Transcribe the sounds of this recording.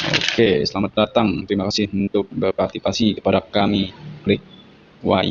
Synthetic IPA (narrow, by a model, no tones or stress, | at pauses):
o̰kesəlamat̪̚dat̪aŋt̪əɾimakasɪhhunt̪ʊk̚bərpat̪ipasikə̥padakamiblɪk̚ | wa̰j